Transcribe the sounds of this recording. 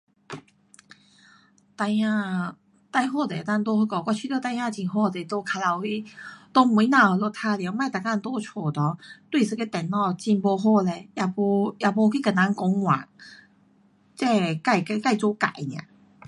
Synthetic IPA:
t̪a˧a˥˧ | t̪a˥˧jɦɔ˥˧˨t͡se˨˧t̪a˥˧t̪̬ɔ˧ho˧kɔ˧˩kwʷa˧t͡ɕʰi˧t̪ɔ˧t̪a˧jã˥˧t͡ɕi˧˩nɦɔ˥˧tɛ˧˩t̪o˥˧˩kʰa˧la˧whi˦t̪o˧mu˧˦na˧˨˧lɔ˧˩t̪ʰa˧la˧˦ma˥˧˨t̪a˨˩kã˥˧n˦t̪ɔ˥˧˦t͡ɕʰwɔ˨˩t̪ɔ˨˦t̪wi˥˧˨sɨ˧ke˧t̪ɛ˨˩nnɔ˧t͡ɕi˧˩nbo˧ɦɔ˥˧lɛ˧ja˧˩pɔ˧ja˧˩bɔ˧kʰi˦ka˨˩na˧˥ŋkɔ˧˦ŋwa̰˨˩ŋ | t͡ɕɛ˥˧ka˥˩jka˧ka˥˧˨jt͡sɔ˧˦ka̰˨˦jnjã̰˨˩

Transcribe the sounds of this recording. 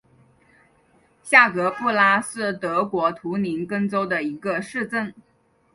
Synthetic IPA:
ɕja˥˩kɤ˧˥pu˥˩la˥sɹ̩˥˩t̪ɤ˧˥kwɔ˧˥t̪ʰu˧˥ni˧˥nkɤ˥ŋt͡so˥ʊd̪ə˨i˧˥ɡə˧ʂɻ̩˥˧ʈ͡ʂə˥˩n

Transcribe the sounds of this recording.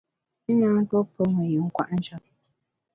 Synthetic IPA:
ɲa˦ŋ̩˦tɔ˦pə˦ŋɛ˨ju˨ŋ̩˦kwa̰˦ʔn̩˦t͡ʃɔ˦t

